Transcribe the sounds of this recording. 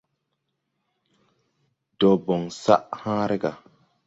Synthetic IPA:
dɔ˨bɔ˨ŋsa̰˦ʔhãː˦ɾe˦ɡa˨

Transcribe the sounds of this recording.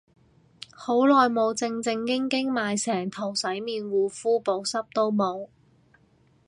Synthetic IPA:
ho˨˥wlɔː˨jmo˨˧wt͡sɪ˧ŋt͡sɪ˧ŋkɪ˥ŋkɪ˥ŋmaː˨jsɛː˨˩ŋt̪ʰo˨˩wsɐ˨˥jmiː˨˧nwuː˨˧fuː˥po˨˧wsɐ˥p̚t̪o˥wmo˨˧w

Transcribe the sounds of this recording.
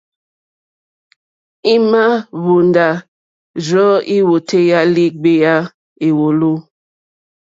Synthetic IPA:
i˦ma˦βu˨nda˨ | zɔ˦i˦wo˨tʰe˦ja˦li˦ɡ͡be˦ja˦ | e˨wo˨lo˦

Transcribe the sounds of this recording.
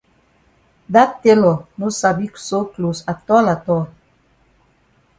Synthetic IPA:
da˦tte˦lɔ˨no˦sa˨bi˦kso˦klo˨sa˨tɔ˦la˨tɔ˦

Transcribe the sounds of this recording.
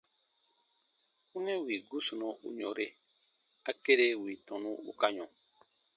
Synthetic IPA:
ũ˦nɛ̃˦wi˨ɡu˦su˨nɔ̃˨ṵ˦ɲɔ̃˨ɾe˦ | a˨ke˦ɾe˦wi˨tɔ̃˨nũ˦ṵ˦ka˦ɲɔ̃˨

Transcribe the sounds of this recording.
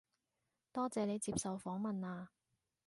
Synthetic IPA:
t̪ɔː˥t͡sɛː˨˧ne˨˧jt͡siː˧psɐ˨wfɔː˨˥ŋmɐ˨naː˧

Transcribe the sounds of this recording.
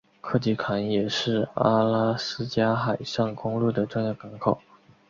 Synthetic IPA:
kʰɤ˥˩t͡ɕi˧˥˩kʰa˧˥njɛ˨˩ʂɻ̩˥˩a˥la˥sɹ̩˥t͡ɕja˥xa˨˩ɪʂɑ˥˩ŋkʊ˥ŋlu˥˩d̪ə˩ʈ͡ʂʊ˥˧ŋjɑ˥˩ka˧˥nkʰo˨˩˦

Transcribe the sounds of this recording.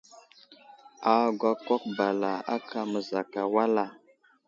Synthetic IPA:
a˨ɡʷa˦kɔ˦k̚ba˨la˨a̰˦kʰa˨mə˨za˨ka˨wa˦la˨

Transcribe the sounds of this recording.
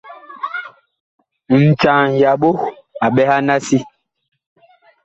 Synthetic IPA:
n̩˨t͡ʃa˨ŋja˨ɓo˦ | a˨ɓɛ˦ha˦na˦si˦

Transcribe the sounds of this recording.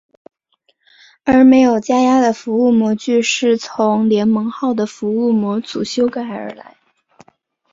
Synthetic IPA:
ə˞˧˥me˧˥ɪjo˨˩ʊt͡ɕja˥ja˥d̪ə˨fu˧˥u˥˩mwɔ˧˥t͡ɕy˥˧ʂɻ̩˥˩t͡sʰʊ˧˥ŋljɛ˧˥nmɤ˧˥ŋxɑ˥˩ʊd̪ə˩fu˧˥u˥˩mwɔ˧˥t͡sṵ˨˩ɕjo˥ʊka˥ɪ˧ə̰˞˧˥la̰˧˥ɪ

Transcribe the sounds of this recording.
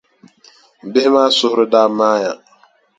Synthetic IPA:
m̩˨bɪ˦ɦɪ˦maː˦sʊ˦hʊ˦ɾʊ˦da˦maː˦ja˨

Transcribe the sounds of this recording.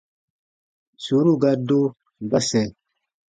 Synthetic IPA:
su˨˦ɾu˦˨ɡa˦do˦ | ba˦sɛ˨

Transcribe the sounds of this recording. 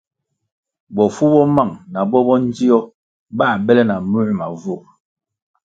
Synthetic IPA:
bɔ˨fu˦bɔ˦ma˦˨ŋna˨bɔ˦bɔ˦n˦d͡ʒi˦ɔ˦ | ba˦˨bɛ˦lɛ˦na˨mu˦ʔma˨vo˦˨

